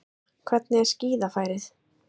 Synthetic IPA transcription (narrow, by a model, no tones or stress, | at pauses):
kʰvɛt̪nɪɛ̥sciːðafaːjɾɪθ